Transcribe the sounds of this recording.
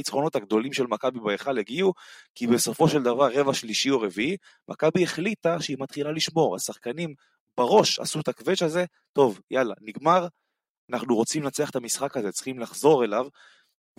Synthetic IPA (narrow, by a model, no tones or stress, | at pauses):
it͡sχo̞no̞t̪haɡd̪o̞limʃe̞lmakabibaeχaleɡiukibeso̞fo̞ʃeld̪avaʁːe̞vaʃliʃioʁevii | mʔa̰kabieχlit̪aʃeimat̪χilaliʃmo̞ʁa̰saχkanim | baʁo̞ʃa̰sut̪akveʃaze̞ | t̪o̞vjala̰niɡmaʁ | anaχnuʁo̞t͡simlat͡seaχet̪amisχakazet͡sχimlaχzo̞ʁe̞lav | v